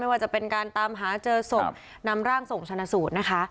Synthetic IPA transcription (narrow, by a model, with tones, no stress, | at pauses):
jwaː˥˩t͡ɕa˨˩pe˧nkaː˧nt̪aː˧mɦaː˩˦t͡ɕɤː˧so˨˩p̚ | na˦˥mɾaː˥˩ŋso˨˩ŋt͡ɕʰa˧na˧suː˨˩t̪̚na˦˥kʰa˦˥